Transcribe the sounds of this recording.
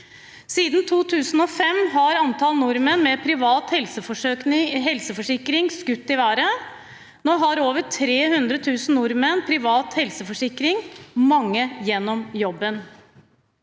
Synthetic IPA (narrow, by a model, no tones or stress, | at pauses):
siːd̪n̩t̪ʰuːt̪ʰʉːsn̩ɔːfɛmɦɑɾɑnt̪ʰɑlnʊɾmənmɛpʰɾɪʋɑːt̪hɛlsəfɔɪɦɛlsəfɔʂɪkɾɪŋskʉt̪ːɪʋæːɾə | noːɦɑɾoːʋəʈʰɾeːhʉnd̪ɾət̪ʰʉːsn̩nʊɾmənpʰɾɪʋɑːt̪hɛlsəfɔʂɪkɾɪŋmɑŋːəjɛnːɔmjɔbːən